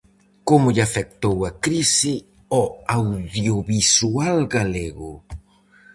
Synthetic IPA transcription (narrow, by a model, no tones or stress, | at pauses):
komʊʎafɛk̚t̪owakɾisɪ | ɔawðjoβisualɡaleɣʊ̰